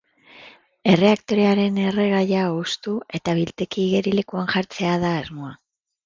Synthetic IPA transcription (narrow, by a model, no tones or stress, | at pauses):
e̞re̞akt̪o̞ɾe̞aɾe̞ne̞re̞ɣajaust̪ue̞t̪aβilt̪e̞kiːɣe̞ɾile̞kuanʝaɾt͡se̞aðaːzmo̞a